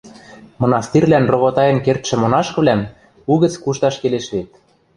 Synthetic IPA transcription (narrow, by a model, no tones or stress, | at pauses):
mŏnɑst̪irʲlænrŏβot̪ɑjɤ̆nkert̪ʃɘ̆monɑʃkɤ̆βlæm | uɣə̆t͡skuʃt̪ɑʃkeleʃβet̪̚